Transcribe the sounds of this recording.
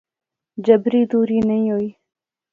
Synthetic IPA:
d͡ʒəbɾiːd̪uːɾiːnɐĩːɦoːiː

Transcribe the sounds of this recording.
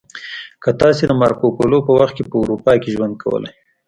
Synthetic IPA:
kət̪ɑsed̪əmɑɾkopolopəwaxt̪̚kepəʊɾupɑkeʒwand̪̚kʰawə̰la̰j

